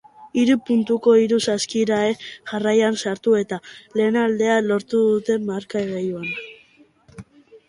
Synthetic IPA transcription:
iɾupunt̪uko̞iɾusaskiɾaeʝarajansaɾt̪ue̞t̪ale̞ːnald̪e̞alo̞ɾt̪uðut̪e̞maɾkaeɣejuan

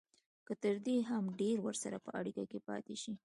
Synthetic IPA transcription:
kət̪əɾd̪eɦamɖeɾwəɾsaɾapəʔaɽikakepɑ̰t̪eʃi

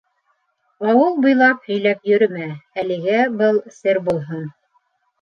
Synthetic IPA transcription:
ɑwɤlˠbŏjlˠɑphɵ̆jlæpjɵ̆ɾmæælɘ̆ɡæbɤlˠsɘɾbulˠɦon

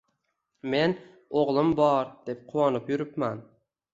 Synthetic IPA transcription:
me̞n | oʁlˠɪmbɒɾd̪̥e̞p̚qʰʊwɒnɪpjʊɾɪpman

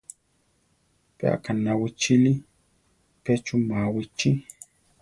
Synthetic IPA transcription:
pea̰kanːawit͡ʃili | pɛt͡ʃumawit͡ʃi

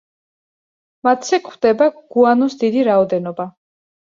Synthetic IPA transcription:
mat̪ʰsɛkχwd̪ɛbaɡ̥uanɔsd̪id̪iɾaɔd̪ɛnɔba

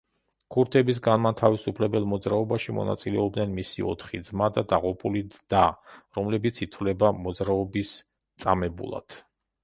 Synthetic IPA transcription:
kʰuɾt̪ʰɛbis̬ɡanmant̪ʰavisupʰlɛbɛlˠmɔd̪zɾaɔbaʃimɔ̰na̰t̪sʼilɛɔb̚d̪nɛnmisḭɔ̰t̪ʰχid̪zmad̪ad̪aʁupʼulid̪̥aɾɔmlɛbit̪sʰit̪ʰvlɛbamɔd̪zɾaɔbis | t̪sʼamɛbṵlˠa̰d̪̥

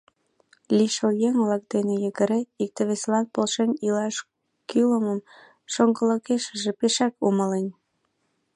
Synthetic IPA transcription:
liʃojeŋvlɑk̚d̪enejəɣəɾeik̚t̪eβeselɑnpolʃenilɑʃ | kyləməm | ʃoŋɡə̆ləkeʃəʒepeʃɑkuməlen

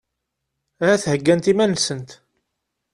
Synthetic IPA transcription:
hæθhəɡːænt̪imænsənt̪

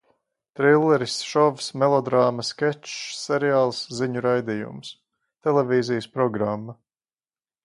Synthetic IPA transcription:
t̪ɾilˠːɛɾisʃɔvsmɛlˠɔd̪ɾaːmɐskʲɛt͡ʃːɛɾiaːlˠsziɲuɾajd̪ijṵms | t̪ɛlˠɛviːzijəspɾɔɡɾamːɐ

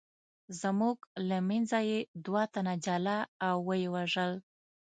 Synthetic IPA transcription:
zmuɡlamɛnzajed̪wɑt̪anad͡ʒalaːwːəjewaʒəl

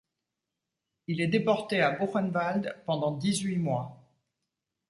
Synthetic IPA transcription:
ilɛd̪epɔʁt̪eaboʁɛnvald̪pɑ̃d̪ɑ̃d̪izɥimwa

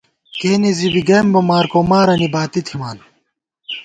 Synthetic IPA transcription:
keːnizibiɡeːmbɐmaːɾkoːmaːɾɐnibaːt̪it̪ʰimaːn

